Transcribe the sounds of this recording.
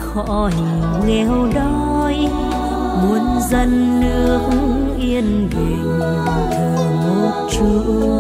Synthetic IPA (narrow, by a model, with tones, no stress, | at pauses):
xɔ̰˧˥˧hi˨˩ | ŋɛ˧wɗɔ˧j | mu˨˧˩ənzə˧nːɨ˦˥˦əək̚ŋ̩ | ʔi˧ən | ve˨˩ŋə˨˩˨t̪əː˨˩ | mu˦ək̚t͡ɕu˧